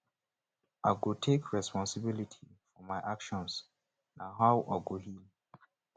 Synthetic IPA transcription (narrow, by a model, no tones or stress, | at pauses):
ʔaɡotʰekʰɹɛspɔ̃nsɪbilitʰifɔmaɪʔakʃɔ̃ns | naɦaʊʔa̰ɡohil